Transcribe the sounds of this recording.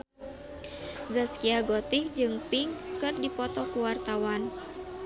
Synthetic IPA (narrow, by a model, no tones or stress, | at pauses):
zaskiaɡɔt̪ikd͡ʒɨŋpiŋkɨrdipɔt̪ɔkuwart̪awan